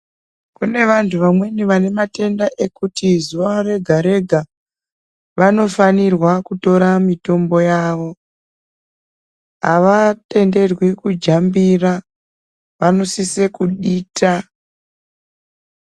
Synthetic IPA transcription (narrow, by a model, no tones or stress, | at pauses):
kune̞ʋantʰuʋamwe̞niʋane̞mate̞ndaʔe̞kutizuʋare̞ɡʱaɾe̞ɡʱa | ʋano̞fanirwakuto̞ɾamito̞mbo̞jaːʋo̞ | ɦa̰ʋate̞nde̞rwikud͡ʒambira | ʋano̞sise̞kuɗiːtʰa